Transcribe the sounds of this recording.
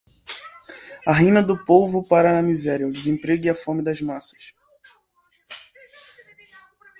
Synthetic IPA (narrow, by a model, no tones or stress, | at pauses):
ɐɦĩnɐd̪ʊpovʊpaɾɐːmizɛɾjɐʊd̪ɪzẽpɾeɡɪɐfõmɪd̪ɐzmasɐ̥ʃ